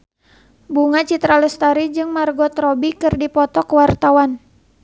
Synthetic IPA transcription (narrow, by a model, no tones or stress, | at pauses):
buŋat͡ʃit̪ɾalɛst̪aɾid͡ʒɨŋmarɡɔt̪ɾɔbikɨrdipɔt̪ɔkwart̪awan